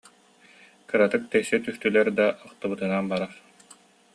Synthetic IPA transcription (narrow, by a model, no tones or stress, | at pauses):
kɯɾat̪ɯk̚t̪ɛsɛt̪yst̪ylɛɾd̪aʔɔχt̪ɯbɯt̪ɯnanbaɾaχ